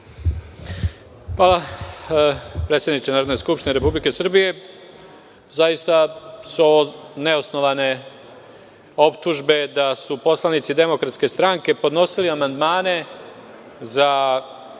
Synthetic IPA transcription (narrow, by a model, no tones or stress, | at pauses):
xʋaːla | pɾet̪sed̪nit͡ʃ̪enaːɾod̪nojskupʃt̪ineɾe̞publike̞sr̩bije̞ | zajist̪asune̞osno̞ʋane̞ | o̞pt̪uʒbe̞d̪asupo̞slˠanit̪sid̪e̞mo̞kɾat̪ske̞st̪ɾaŋke̞po̞d̪no̞siliamand̪maːne̞ | za